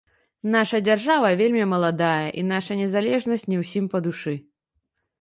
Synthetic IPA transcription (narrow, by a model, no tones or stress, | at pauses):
n̪aʂɐd͡zʲarʐavɐvʲelʲmʲimɐlˠad̪ajɐʔin̪aʂɐnʲɛzalʲɛʐnɐsʲt͡sʲnʲɛwsʲimpɐd̪uʂɨ